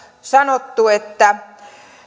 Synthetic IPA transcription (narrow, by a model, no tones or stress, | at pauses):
sɑnot̪ːuet̪ːæ